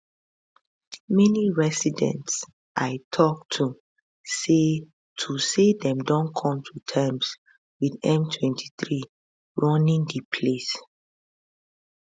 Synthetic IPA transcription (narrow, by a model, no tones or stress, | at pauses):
mɛniɹɛsidɛ̰̃nts | ʔaɪtʰɔk̚tʰu | se | tʰusedɛ̃mdɔ̃nkʰɔ̃mtʰutʰãɪms | widɛ̃mtʰwɛ̃ntʰi̥θɹi | ɹɔ̃nĩŋdipʰles